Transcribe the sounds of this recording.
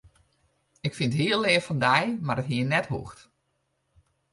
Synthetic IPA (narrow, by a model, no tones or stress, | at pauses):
ɪkfɪntɦiːəlˠːeːfɑndɛjmaɾətɦiənɛthṵxt